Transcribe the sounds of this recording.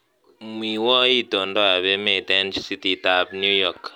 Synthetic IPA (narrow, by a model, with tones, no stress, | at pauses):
mwi˨wɔ˦i˦tɔ˨ndɔ˦a˨βɛ˦mɛ˦˨tɛ˦nd͡ʒsi˦ti˨ta˨bnju˦jɔ˨k